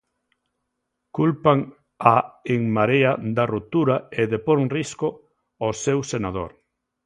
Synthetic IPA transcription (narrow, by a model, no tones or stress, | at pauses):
kulpaŋ | aeŋmaɾead̪arut̪uɾaeðepoŋrisko | osewsenað̞o̰ɾ